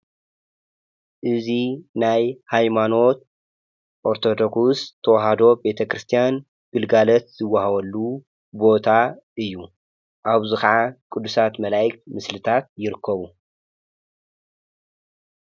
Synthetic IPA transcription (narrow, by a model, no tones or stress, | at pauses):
ʔɨzinajhajmano̞t̪̚ | ʔoɾt̪ʰo̞d̪o̞ksust̪ʰːɐwɐɦad̪o̞be̞t̪ʰɐkɾɨst̪ʰijan | ɡ̥ɨlɡalɐt̪z̥ɨwːahawɐlːu | bo̞t̪ʰa | ɨjːu | ʔaβzikɐʕakʼud̪ːusat̪mɐlajɨkt̪mɨslɨt̪ʰat̪̚jɪɾɨkʰːɐβu